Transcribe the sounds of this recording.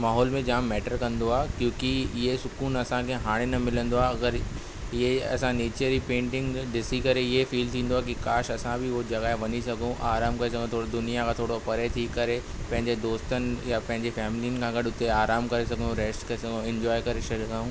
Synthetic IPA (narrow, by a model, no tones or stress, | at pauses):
maːɦɔːlmẽd͡ʑaːmːɛːʈəɾkɐ̃nd̪oaːkjõːkiɪɦesʊkuːnɐsãkʰeɦaːɽ̃enɐmɪlə̃nd̪oaːɐɡəɾ | ɪjeɐ̰sãneːt͡ɕeɾipẽːɳʈɪ̃ŋɡɖɪsikɐɾeɪefiːlt̪ʰĩːnd̪oaɦkikaːʃɐsãbʱiʋod͡ʑɐɣaːeʋɐɲisɐɡʱõʔaːɾaːmkɐɾes̬ɐɡ̪̃ʱt̪ʰoːɽid̪ʊnijakʰãt̪ʰoːɽopɐɾet̪ʰiːkːɐɾe | pɐ̃ɦɪ̃ɲd͡ʑed̪oːst̪ənɪ̆japɐ̃ɦɪ̃ɲd͡ʑefɛːmɪlijənɪ̆kʰãɡɐɗʊt̪eaːɾaːmkɐɾes̬ɐɡʱənõɾeːsʈkɐesɐɡõɪ̃ɲd͡ʑɔːjkɐɾeʃɐlɡaːũː